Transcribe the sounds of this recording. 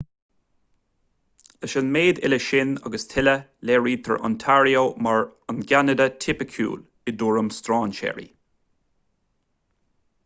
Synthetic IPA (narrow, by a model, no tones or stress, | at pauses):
ləʃənmeːd̪ɪ̰ləʃɪna̰ɡəst̪ʰɪləleːɹiːd̚t̪ʰə̰ɹʔɔ̰nt̪ʰaɹiomaɹənɡanəd̪ət̪ʰɪpəkʰṵːl | ɪd̪uːɹəmst̪ɹɑːnʃɛ̰ːɹḭ